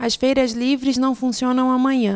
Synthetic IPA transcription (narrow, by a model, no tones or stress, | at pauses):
ɐsfejɾɐzlivɾɪznɐ̃w̃fũsiõnɐ̃w̃ɐmɐ̃ɲɐ̃